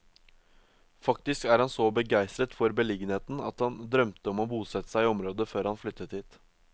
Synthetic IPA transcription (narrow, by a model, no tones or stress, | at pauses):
fɑk̚t̪ɪskæɾhɑnsɔbəɡæɪst̪ɾət̪fɔɾbəlɪɡənheːt̪n̩ɑ̰t̪hɑnd̪ɾœmt̪əɔmoːbuːsɛt̪ːə̥sæɪɔmɾoːd̪əføːɾhɑnflʏt̪ːət̪ʰɪt̪